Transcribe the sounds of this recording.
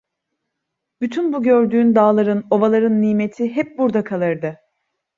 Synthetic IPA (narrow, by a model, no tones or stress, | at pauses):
b̥yt̪ʰynbuɟø̞ɾd̪yːnd̪aːlˠaɾɯno̞valˠaɾɯnːiːme̞t̪ʰiɦɛp̚buɾd̪akʰalˠɯɾd̪ɯ